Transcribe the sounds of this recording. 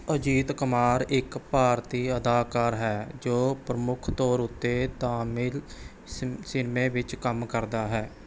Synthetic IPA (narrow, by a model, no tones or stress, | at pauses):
əd͡ʒiːt̪kəmaːɾɪkpaːɾt̪iːəd̪aːkaːɾɦɛːd͡ʒoːpɾəmʊkʰt̪ɔːɾʊt̪ːeːt̪aːmɪl | sɪnmẽːʋɪt͡ʃkəmkəɾd̪aːɦɛː